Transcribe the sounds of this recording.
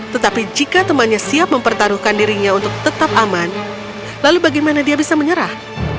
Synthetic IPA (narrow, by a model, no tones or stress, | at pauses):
t̪ət̪apid͡ʒikat̪əmanɲasiap̚məmpərt̪aɾuhkandiɾiɲaunt̪ʊk̚t̪ət̪ap̚aman | lalubaɡajmanadiabisaməɲəɾah